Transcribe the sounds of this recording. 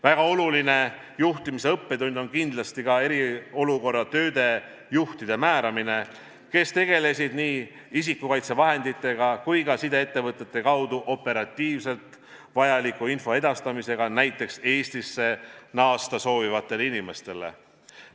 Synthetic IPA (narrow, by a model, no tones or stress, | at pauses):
væɡ̥ɑo̞luline̞ | juht̪imise̞ɤpːe̞d̪unʲd̪o̞nkind̪lɑst̪ikɑe̞ɾio̞luko̞rːɑt̪ø̞ːd̪e̞ | juht̪id̪̥e̞mæːɾɑmine̞ | ke̞st̪e̞ɡ̥e̞le̞sid̪̥niː | is̬ikːˑukɑjt̪se̞vɑɦe̞nd̪̥it̪ːˑe̞ɡɑkujkɑsid̪e̞et̪ːe̞vɤt̪ːˑet̪ːe̞kɑwd̪uʔo̞pːe̞ɾɑt̪ːˑiːvse̞lt̪ | vɑjɑlikːˑuinfo̞e̞d̪ɑst̪ɑmise̞ɡ̥ɑnæjt̪ːˑe̞kse̞ːst̪isːe̞nɑːst̪ɑso̞ːvivɑt̪ːˑe̞leinime̞st̪e̞le̞̰